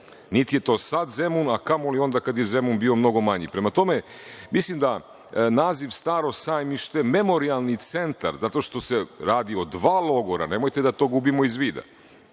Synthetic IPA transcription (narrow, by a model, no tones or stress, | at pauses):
nit̪ije̞t̪o̞ːsad̪zemunakamolio̞nd̪akad̪jeze̞munbiːo̞mno̞ɡo̞maɲḭpɾe̞mat̪o̞me̞ | mislˠimd̪a | naːziʋst̪aːɾo̞sajmiʃt̪eme̞mo̞ɾialˠnit̪se̞nt̪a̰ɾzat̪o̞ʃt̪o̞seɾaːd̪iod̪ʋaːlˠo̞ɡoɾa̰ne̞mo̞jt̪e̞d̪at̪o̞ːɡubimo̞izʋiːd̪a̰